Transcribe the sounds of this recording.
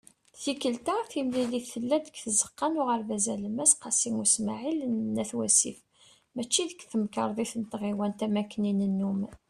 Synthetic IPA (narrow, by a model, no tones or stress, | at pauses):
θikəlt̪aθimliliθːəlːæd̪əkːθəzə̥qːɑnʊʁəɾvæzæləmæsqɑsiŋusmaʕilnːæθwæsḭf | mæt͡ʃːiðəkθəmkɑɾˤðˤiθənt̪ʁiwænt̪æmækːninənːum